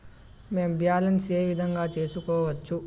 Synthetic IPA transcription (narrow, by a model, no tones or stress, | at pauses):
me̞ːmbjaːlɐnseːʋid̪ʱɐŋɡaːt͡ʃe̞ːsukɔːʋɐt͡ʃːu